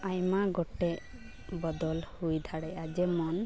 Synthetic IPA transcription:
ajmaɡɔʈe | bɔd̪ɔlhujd̪ʱaɽɛad͡ʒemɔn

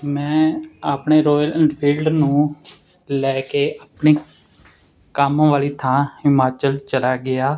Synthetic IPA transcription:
mɛ̃ːaːpɳeːɾɔːjəlɛ̃ːɳɖpʰiːlɖnũː | lɛːkeːaːpɳeː | kaːmːʋaːliːt̪ʰãːhɪmaːt͡ʃəlt͡ʃəlaːɡɪaː

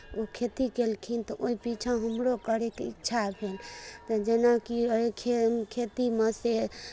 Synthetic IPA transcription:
okʰet̪ikelkʰint̪ɔʔoipit͡ʃʰãɦəmɾokəɾekeitːʃʰabʱelt̪əd͡ʒenakioikʰekʰet̪imese

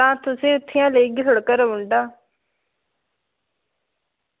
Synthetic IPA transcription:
ãːt̪ʊsĩːʊt̪ʰːɪjãːləiːɡʊɽkəɾəʊɳɖaː

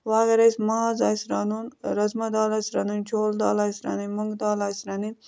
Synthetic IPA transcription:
waːɡɐɾɐsmaːzaːjsɾaːnunɾɐzmɐd̪aːlaːsɾɐnunt͡ʃʰoːld̪aːlaːjsɾa̰nimuŋɡd̪aːlaːjsɾanin

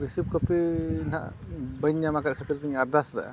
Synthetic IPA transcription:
ɾisip̚kəpina̰ʔbəɲːamakat̪̚kʰat̪iɾt̪iɲaɾd̪asd̪a̰ʔa̰

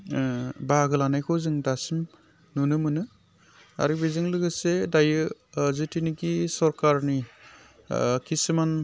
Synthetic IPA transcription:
baɡɯlanajkʰɔzɯŋdasim | nunɯmɯnɯ | a̰ɾibezɯŋlɯɡɯsedajɯzɯtiniɡisɔɾkaɾni | kʰisɯman

